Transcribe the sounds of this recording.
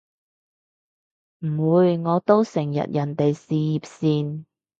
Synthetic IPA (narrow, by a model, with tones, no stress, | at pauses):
m̩˨˩wuː˨˧jŋɔː˨˧t̪o˥wsɪ˨˩ŋjɐ̰˨t̚jɐ˨˩nt̪e˨jsiː˨jiː˨p̚siː˧n